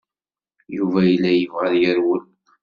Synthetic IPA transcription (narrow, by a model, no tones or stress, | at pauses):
juvæjəlːæjəvʁəðjəɾwəl